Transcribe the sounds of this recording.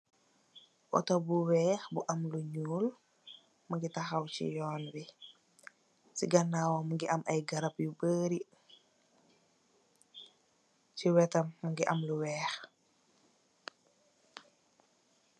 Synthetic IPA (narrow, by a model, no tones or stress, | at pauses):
ʔɔ̰tɔbuwɛːxbuʔɐmluɲuːl | mɐŋɡitɐxɐwcḭjɔːnbi | siɡɐnːaːwɐmɐŋɡiʔɐmʔɐjɡɐɾɐpjubəːɾi | siwɛtɐmːɐŋɡiʔɐmluwɛːx